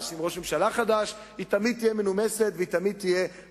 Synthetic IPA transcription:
ʃimʁo̞ʃme̞mʃalaχad̪aʃ | hit̪amid̪̚t̪ijemenume̞se̞t̪veit̪amid̪̚t̪ije̞

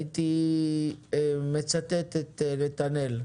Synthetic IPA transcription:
t̪i | emet͡sat̪et̪et̪eɾet̪anel

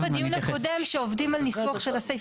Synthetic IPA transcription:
vadijunhako̞de̞mʃeovdimalnisvoχʃelasej

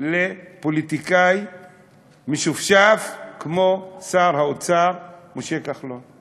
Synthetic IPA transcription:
lepolit̪ikaj | miʃufʃafkmosaʁhaot͡saʁmuʃekaχlon

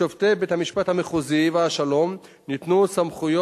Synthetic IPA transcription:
ovt̪ebethamiʃpat̪hameχuziveɦaʃalo̞m | nit̪nusamχujo

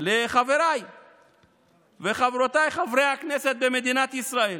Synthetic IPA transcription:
leχave̞ɾaj | veχavɾot̪ajχavɾejhaknese̞t̪̚beme̞d̪inat̪isʁael

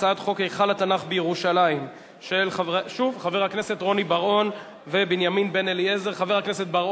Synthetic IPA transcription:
ad̪χo̞kejχalat̪anaχbejeʁuʃalaim | ʃe̞lχavʃuvχaveʁhakne̞se̞t̪ʁo̞nibaʁo̞n | ve̞binjaminbe̞neliezeʁχave̞ʁhakneset̪̚baʁ

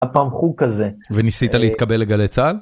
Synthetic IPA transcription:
apamχukazevenisit̪aleit̪̚kabe̞lːe̞ɡale̞t͡sal

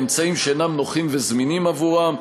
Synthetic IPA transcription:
mt͡saimʃenamnoχimve̞zminimavuʁam

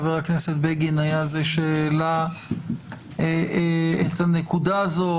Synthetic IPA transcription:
veʁhakne̞set̪̚beɡinajazeʃeːla | eet̪anekud̪aːzo̞

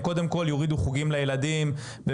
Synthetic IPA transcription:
ko̞d̪e̞mko̞ljoʁid̪uχuɡimlajelad̪im | be

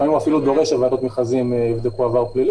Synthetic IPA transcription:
aimuafilud̪o̞ʁeʃevad̪ot̪miχazimivd̪ekuavaʁplili

